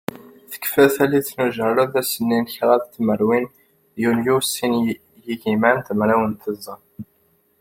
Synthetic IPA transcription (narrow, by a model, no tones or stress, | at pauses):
θə̥kːfæθæliθnuʒərˤːəðæsənːinçɾˤæðt̪ːməɾwin | juljusːin | jiʝimænt̪əmɾæwənt̪əzˤːən